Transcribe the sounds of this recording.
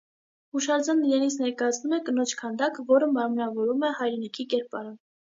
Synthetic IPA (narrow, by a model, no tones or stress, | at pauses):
huʃɑɾd͡zɑnːiɾɛnit͡sʰnɛɾkɑjɑt͡sʰnumɛkənɔt͡ʃʰkʰɑnd̪ɑkvɔɾəmɑɾmnɑvɔɾumɛhɑjɾɛnikʰikɛɾpɑɾə